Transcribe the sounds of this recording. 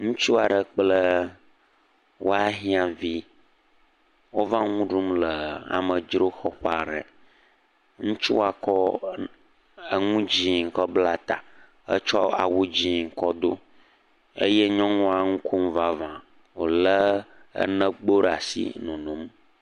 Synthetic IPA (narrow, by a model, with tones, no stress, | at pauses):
ŋũ˦t͡ʃu˦a˨ɖə˨k͡plə˦ | wo˦a˦ɦĩ˦a˨vi˦ | wo˦va˦ŋũ˦ɖu˦mlə˨a̰˨mə˨d͡ʒɾo˦xɔ˦ɸa̰˨ɖə̰˨ | ŋũ˦t͡ʃu˦wa˨kɔ˦ | ə˨ŋũ˦d͡ʑi˦ŋ̩˨kɔ˦bla˦t̪a˨ | ə̰˦t͡ʃɔ˦a̰˨wu˦d͡ʑi˦ŋ̩˨kɔ˦d̪o˦ | ḛ˦jɛ˦ɲɔ̃˦ŋɔ̃˦a˨ŋũ˦kʰu˦m˦va˦vã˨ | wo˨lə˦ə̰˦nə̃˦ɡ͡bo˦ɖa˨sḭ˦nũ˨nũ˨˦m